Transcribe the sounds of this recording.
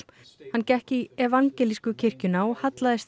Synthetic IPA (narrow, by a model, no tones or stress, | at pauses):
hancɛhcɪiɛvaŋcɛliskʏcʰɪr̥cʏnaɔhat̪laðɪst̪